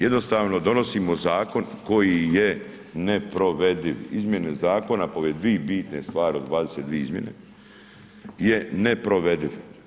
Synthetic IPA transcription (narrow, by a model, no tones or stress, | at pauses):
jed̪no̞st̪aːʋno̞d̪o̞nosimo̞zaːko̞nko̞jije | nepɾo̞ʋed̪iʋizmje̞nezaːko̞napoʋed̪ʋiːbiːt̪ne̞st̪ʋaːɾio̞d̪ʋaːd̪eset̪d̪ʋieizmje̞̰nḛ | jenepɾo̞ʋe̞d̪iʋ